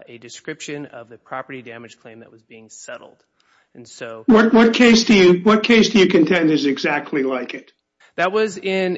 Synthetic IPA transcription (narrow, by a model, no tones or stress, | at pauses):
ɨdɨskɹɪpʃɨ̃nʌ̰vðɨpʰɹ̥ɑpə˞ɾidæmɨd̥ʒ̥kʰl̥ẽɪ̃mðɨ̰ʔ̚wʌzbiɪ̃ŋsɛɾl̩ˠd̥̃ | nsoʊwʌt̚wʌt̚kʰeɪsd̥ɨjɨwʌt̚kʰeɪsd̥ɨjɨkʰɨ̃ntʰɛ̃ndɨzɨɡzæk̚tʰˡlilaɪkɨt̚ | ðɨt̚wʌzɪ̃n